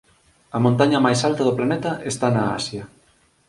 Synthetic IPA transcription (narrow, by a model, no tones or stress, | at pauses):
ɐmõnt̪aɲɐmajsalt̪ɐðʊplanɛt̪ɐʔest̪anaa̰sjɐ